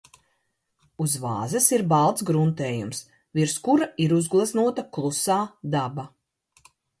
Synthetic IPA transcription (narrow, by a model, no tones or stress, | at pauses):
uzva̰ːzɛsiɾbalˠt̪sɡɾunt̪eːjums | viɾskuɾaiɾuzɡlˠaznuɔt̪aklˠusaːd̪aba